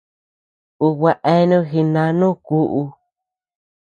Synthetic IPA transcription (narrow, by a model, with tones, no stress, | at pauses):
u˧wa˧ʔe˦nũ˦xi˧nã˧nũː˦˨ku˦ʔu˧